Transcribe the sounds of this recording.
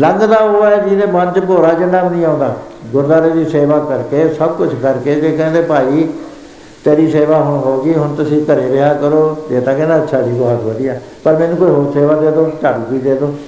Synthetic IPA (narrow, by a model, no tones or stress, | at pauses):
ləŋɡd̪aːoːɛːd͡ʒiːd̪eːmənt͡ʃpoːɾaːd͡ʒənːabnĩːãːnd̪a̰ː | ɡʊɾd̪aːɾeːd̪iːseːʋaːkəɾkeːsəb̚kʊt͡ʃʰkəɾkeːd͡ʒeːkɛ̃ːnd̪eːpaːiː | t̪eːɾiːseːʋaːɦʊɳɦoːɡiːɦʊnt̪ʊsĩːkəɾeːɾɪaːkəɾoːd̪eːt̪ãːkɛ̃ːnd̪eːətːʃʰaːd̪iːɡoɦat̪ʋəd̪iːɛː | pəɾmɛ̃ːnũːkoːiːɦoːɾseːʋaːd̪eːd̪oːt͡ʃəbkiːd̪eːd̪oː